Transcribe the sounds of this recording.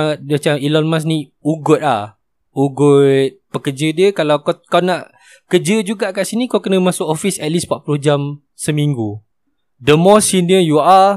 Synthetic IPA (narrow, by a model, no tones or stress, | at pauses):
mat͡ʃamilɔnmas̬nĩuɡʊt̪̚la̰ | uɡʊt̪̚pəkəd͡ʒədiəkalawkkaanaʔ | kəd͡ʒəd͡ʒuɡaʔkaʔsinikawkənəmãsʊkɔfisɛt̪̚lispaʔpuluhd͡ʒam | səmiŋɡu | dəmɔsiniəjua